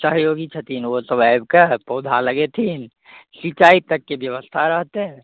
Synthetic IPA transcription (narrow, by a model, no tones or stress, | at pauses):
səɦjoːɡit͡ʃʰət̪ʰinosəbajb̚kapoːd̪ʱaləɡet̪ʰin | sit͡ʃait̪əkːebjəʋəst̪ʰaɾəɦt̪e